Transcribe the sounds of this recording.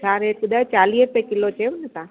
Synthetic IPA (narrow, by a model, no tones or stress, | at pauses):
aɾekʊd̪aːt͡ʃaːliːɦp̪ekɪlot͡ʃeʋʊnet̪a